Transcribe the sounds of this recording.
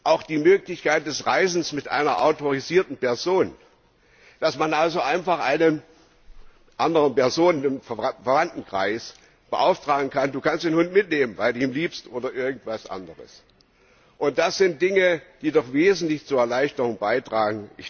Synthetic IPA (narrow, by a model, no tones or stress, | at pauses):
ʔaʊxd̥iːmøːklɪçkaɪt̚d̥ɛsʁaɪzn̩smɪtʔa̰ɪnɐʔa̰ʊtoʁiziːɐtn̩pɛɐzoːn | d̥asmanʔalzoʔaɪnfaχʔa̰ɪnən | ʔandəʁənpɛɐzoːnnffɛɐvantn̩kʁ̥a̰ɪs | b̥əʔa̰ʊftʁ̥aːɡŋ̩kʰanduːkanstd̥eːnhʊntmɪtneːmənvaɪlduːiːmliːpstʔoːdɐʔɪɐɡŋ̩tv̥asʔa̰ndəʁə̰s | ʔʊnt̚d̥asz̥ɪnt̚d̥ɪŋəd̥iːdɔχv̥eːzn̩tlɪçt͡suɐɛɐlaɪçtəʁʊŋbaɪtʁ̥aːɡŋ̩ʔɪç